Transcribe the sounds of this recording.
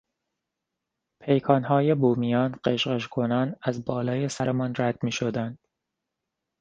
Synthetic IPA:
pʰejkʰɒːnɦɒːjebuːmijɒːnɢeʃɢeʃkʰonɒːnæzbɒːlɒːjesæɾemɒːnræd̪̥miːʃod̪ænd̪̥

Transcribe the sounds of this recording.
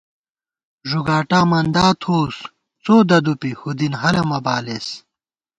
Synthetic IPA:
ʐuɡaːʈaːmɐnd̪aːt̪ʰoːs | t͡soːd̪ɐd̪upihud̪inɦɐlɐmɐbaːles

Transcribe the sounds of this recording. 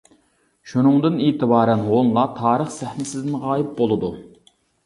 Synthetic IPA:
ʃunɨŋd̪ɨneːt̪ɨbɑːɾɛnɦonlˠɑt̪ʰɑːɾəχsɛhnɪsɪzɪnʁɑːjɪp̚bolˠɨd̪u

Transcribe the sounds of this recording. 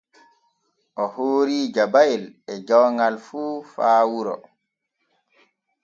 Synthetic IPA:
ʔɔhoːɾiːd͡ʒabajɛlɛd͡ʒɔwŋɡalfuːfaːwuɾɔ̰

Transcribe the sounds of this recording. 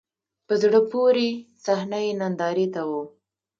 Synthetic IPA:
pəzɽəpoɾesahnajenand̪ɑɾet̪awo

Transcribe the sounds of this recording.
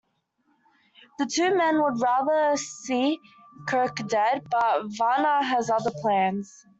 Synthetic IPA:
ðətʰʉːmɛ̃nwəd̚ɹæːðəsiːkʰɜˑkdɛd̚bʌt̚vɑnəəzʌðəpʰl̥æ̃nz̥

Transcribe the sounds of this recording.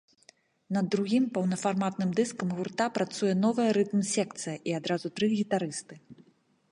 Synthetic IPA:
nɐd̪ɾuɣʲimpɐwnɐfarmat̪̚nɨmd̪ɨskɐmɣurt̪apɾat̪sujɛn̪ɔvɨjɐɾɨt̪msʲɛkt̪sɨjɐʔiad̪ɾazut̪ɾɨɣʲit̪aɾɨst̪ɨ

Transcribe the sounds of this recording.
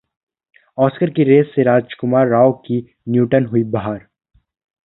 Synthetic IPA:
ɔːskəɾkiɾeːsːeɾaːd͡ʒkʊmaːɾːaːoki | njuːʈənɦʊibaɦəɾ

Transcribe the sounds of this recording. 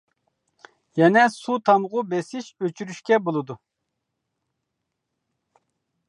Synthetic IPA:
jɛnɛsut̪ʰɑmʁʊbɛsɪʃøt͡ʃʰyɾyʃkʲɛbolˠɨd̪u

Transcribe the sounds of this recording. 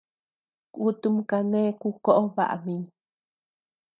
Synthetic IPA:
kut̪umkanekukoʔoβa̰ʔa̰mi

